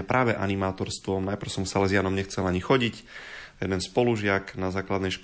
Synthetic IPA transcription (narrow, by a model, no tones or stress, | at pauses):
ɛpɾʔaːʋɛʔa̰nimaːt̪ɔɾst̪ʋɔmnajpɾ̩ʊsɔmsalɛzɪanɔmɲɛxt͡sɛlaɲixɔɟicjɛd̪ɛnspɔluʒɪaknazaːklad̪nɛjʃk